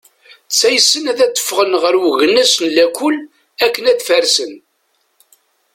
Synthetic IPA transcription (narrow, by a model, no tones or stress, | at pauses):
t͡sːæjəsːənæðæt͡s̪ːə̥fːʁənʁəɾwɣənːæsnlækʷːʊl | ækːənæθfæɾsən